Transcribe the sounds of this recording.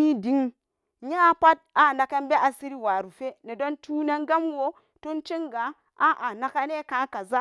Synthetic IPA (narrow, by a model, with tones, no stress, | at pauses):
i˦di˨˦ŋ | ɲa˦pa˦t̚a˨na˨ka˦nbe˦ʔa˨si˦ɾi˦wa˨ɾu˨fe˦ne˨do˦ntʰu˦na˦ŋɡa˦mwo˦ | tu˦nt͡ʃi˦ŋɡa˨ | a˦ʔa˨na˨ka˦ne˦kã˨˦ka˨za˦